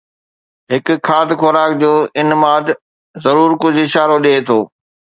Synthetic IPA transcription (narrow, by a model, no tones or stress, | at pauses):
ɦɪk̆kʰːaːd̪xɔɾaːk̚d͡ʑoːɪnmaːd̪ | zɐɾuːɾkʊd͡ʑɪʃaːɾoɗeːt̪ʰoː